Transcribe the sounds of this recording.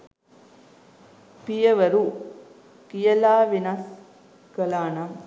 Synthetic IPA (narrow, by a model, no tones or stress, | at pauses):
pijɐʋɐɾu | kijɐlaːʋinɐs | kəlaːnɐm